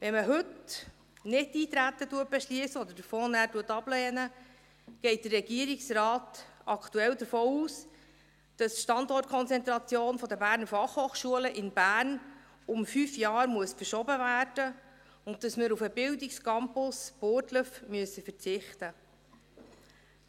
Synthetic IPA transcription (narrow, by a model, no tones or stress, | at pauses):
ʋɛnməɦɵt | nɪtːiːt̪ɾætːətuət̚b̥ɛʃliəsəɔd̪əɾdəɾfoːnæːɾtuətːɑb̥lɛːnə | ɡ̥ɛɪt̚d̥ərɛɡ̥iəɾiksrɑːtɑktuɛldəɾfoːuːs | d̥ɑstʃtɑndɔrtkʰɔnt͡sɛnt̪ɾɑt͡sjoːnfɔd̪əbæːɾnəɾfɑχhoːχʃuələʔɪnbæːɾn | ʊmfyːfjɑːɾmuəsfəɾʃɔbəvæːɾd̥ə | ʊnt̚dɑsmɪɾufəbɪldɪkskɑmpʊsb̥oːtləfmyəsəfəɾt͡sɪχtə